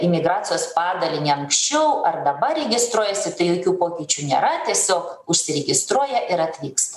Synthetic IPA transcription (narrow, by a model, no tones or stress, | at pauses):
ɪmʲɪɡɾɑːt͡sʲɪjoːspɑːd̪ɐlʲɪnʲɛɐŋksʲt͡ʃʲɛʊɐrd̪ɐbɐɾʲɛɡʲɪst̪ɾuɔjɛsʲɪt̪ɐɪjoːkʲuːpoːkʲiːt͡ʃʲuːnʲḛːɾɐt̪ʲiɛsʲoːkʊʃʲsʲɪɾʲɛɡʲɪst̪ɾuɔjɛʔɪɾɐt̪ʲʋʲiːkst̪ɐ